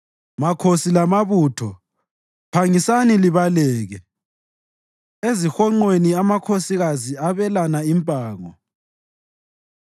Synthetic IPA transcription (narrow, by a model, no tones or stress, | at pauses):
makʰosilamaβuːtʰɔ | pʰaŋisaniliβalɛːɣɛ | ezixɔŋ͡ǃweniamakʰosiɣaziaβɛlanaimpʼaːŋɔ̰